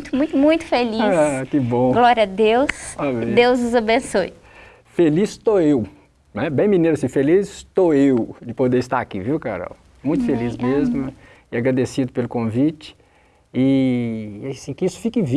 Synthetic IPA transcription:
t̪ʊmũj̃t̪ʊmũj̃t̪ʊ̥feliakɪbõɡlɔɾɐd̪ewsɔbd̪ewzʊzɐbẽsoj | felist̪oew | nɛbẽj̃mĩneɾasĩfelizt̪oewd͡ʒɪpod̪eɾɪst̪aɾakḭviwka̰ɾa̰w | mũj̃t̪ʊ̥felismezmʊɛ | ɪaɡɾad̪esid̪ʊpelʊkõvit͡ʃɪ̥ | ɪ | asĩkɪisʊ̥fikɪvi

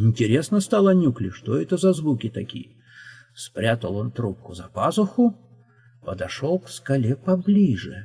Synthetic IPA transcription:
ɪnʲtʲɪɾʲe̞snəst̪alˠəɐnʲuklʲɪʂt̪oɛt̪əzɐzvukʲɪt̪ɐkʲḭjə | spɾʲat̪əlˠont̪ɾup̚kʊzɐpazʊxʊ | pəd̪ɐʂo̞lˠkfskɐlʲepɐblʲiʐɨ

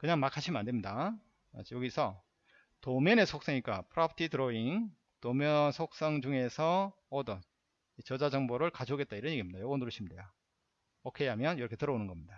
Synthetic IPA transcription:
kɯɲaŋmakʰaɕʰimɯande̞mɲida | jʌɡisʰʌ | tomjʌne̞sʰok̚s͈ʌŋik͈apʰɯɾʌpʰtʰitɯɾoiŋ | tomjʌnsʰok̚s͈ʌŋd͡ʑuŋe̞sʰʌː | dʌn | it͡ɕʌd͡ʑad͡ʑʌŋboɾɯɭkad͡ʑʰoɡe̞t̚t͈aiɾʌnɲeɡimɲidajʌɡʌnuɾɯɕʰimdejo | ʌkʰejamjʌnjiɾʌkʰe̞tɯɾʌonɯnɡʌmɲida

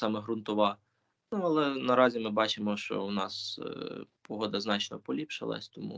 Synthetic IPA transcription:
sɑmɛɦɾʊnt̪ʊʋɑ | nuɐlˠɛnɐɾɑzʲimɪbɑt͡ʃɪmɔʃt͡ʃɔ̰wnɑs | pɔɦɔd̪ɐznɑt͡ʃnɔ̰pɔlʲipʃɪ̰lˠɐ̰sʲt̪ɔmṵ

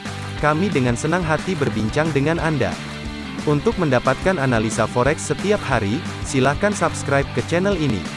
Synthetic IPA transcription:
kamidəŋansənaŋɦat̪ibərbiɲt͡ʃaŋdəŋanʔanda̰ | unt̪ʊk̚məndapat̪̚kananalisafɔɾɛksːət̪iap̚haɾi | silahkansapskɾajp̚kət͡ʃɛnəlinḭ

